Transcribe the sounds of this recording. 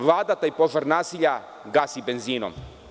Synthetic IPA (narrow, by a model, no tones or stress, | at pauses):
ʋlˠaːd̪at̪ajpo̞ʒaɾnaːsiʎa | ɡasibenziːno̰m